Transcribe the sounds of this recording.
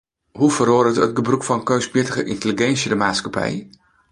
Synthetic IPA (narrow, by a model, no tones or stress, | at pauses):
ɦufəɾoːdətət̚ɡəbrukfɑnkøɥsbɪtəχəʔɪntəliɡɛnsjədəmaːtskapɛ̰j